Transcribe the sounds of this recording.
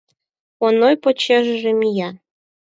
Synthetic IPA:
onojpot͡ɕeʒəʒĕmijɑ

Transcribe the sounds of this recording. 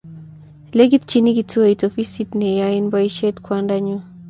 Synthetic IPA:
leɡit̪̚t͡ʃiniɡitʰuaitofisitnɛjainbajʃetkʰwandaɲu

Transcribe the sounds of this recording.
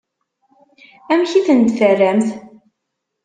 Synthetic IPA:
æmçiθənt̪fərːæmθ

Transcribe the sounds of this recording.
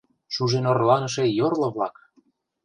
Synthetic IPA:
ʃuʒenorlɑnə̆ʃ̬ejorlɤ̆βlɑk

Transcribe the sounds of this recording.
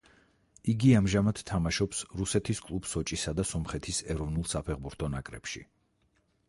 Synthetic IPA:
iɡiamʒamad̪̥t̪ʰːamaʃɔpsɾusɛt̪ʰiskʼlˠubsɔt͡ʃʼisad̪asɔmχɛt̪ʰisɛɾɔvnulˠsapʰɛʁbuɾt̪ʰɔnakʼɾɛ̰pʃḭ

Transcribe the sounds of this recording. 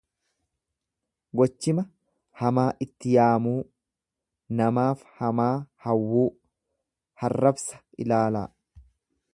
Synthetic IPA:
ɡɔt͡ʃːɪmɐ | hɐmaːʔɪt̪ːɪjaːmuː | nɐmaːfhɐmaːhɐwːuː | hɐrːɐbsɐ̥ʔɪ̰laːla̰ː

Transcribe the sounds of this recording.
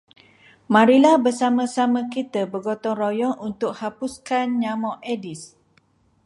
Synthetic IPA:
mãɾilabəsamãsamãkit̪əbəɡɔt̪ɔŋrojɔŋʔunt̪ʊk̚hapuskanɲamɔʔʔedis

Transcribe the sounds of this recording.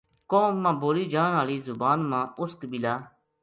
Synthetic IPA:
kõːmãːboːliːd͡ʒãːnaːliːzʊbaːnmãːʊskbɪlaː

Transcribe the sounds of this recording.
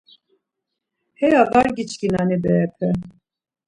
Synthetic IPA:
hɛjad̪ɑɾɡit͡ʃkinanebɛɛpʰɛ

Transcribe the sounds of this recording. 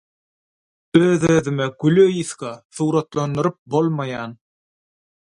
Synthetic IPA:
øːðøːðymeɡyløjiθkɑθuːɾɑt̪lˠɑnd̪ɯɾɯp̚bolˠmɑjɑːn

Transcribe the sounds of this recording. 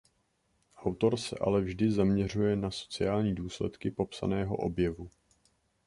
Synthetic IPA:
ʔawt̪o̞ɾsɛ̰ʔa̰lɛvʒdɪzamɲɛr̝ujɛnaso̞̥t͡sɪjaːlɲiːduːslɛ̰t̪kɪpo̞psa̰nɛːɦo̞̰ʔo̞̰bjɛvu

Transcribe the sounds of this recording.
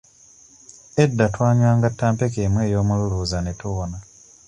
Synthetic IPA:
edːatwaːɲwaːŋɡatːaːmpe̞keːmwe̞ːjo̞ːmululuːzanetuβona

